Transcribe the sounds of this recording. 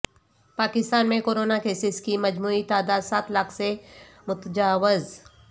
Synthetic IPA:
paːkɪst̪aːnmẽkoːɾoːnakeːsɪskimɐd͡ʒmuːit̪aːd̪aːd̪saːt̪lakʰse | mʊt̪əd͡ʒaːʋɪz

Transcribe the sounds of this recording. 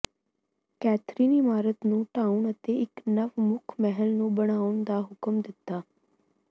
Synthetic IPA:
kɛːt̪ʰɾiːnɪmaːɾət̪nũːʈaːʊɳət̪eːɪknəʋmʊkʰmɛɦəlnũːbəɽ̃aːʊɳd̪aːɦʊkəmd̪ɪt̪ːaː

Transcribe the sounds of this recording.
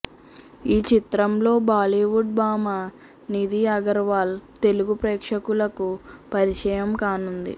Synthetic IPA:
iːt͡ʃit̪ɾɐmlo̞ːbaːliːʋuɖ̚baːma | nid̪iːɐɡɐɾʋaːlt̪e̞luɡupɾɛːkʂɐkulɐkupɐɾit͡ʃɐjɐmkaːnund̪ḭ

